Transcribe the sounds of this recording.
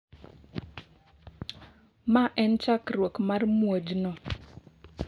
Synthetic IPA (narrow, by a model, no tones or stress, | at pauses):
maʔɛnt͡ʃakrwokmarmwod͡ʒnɔ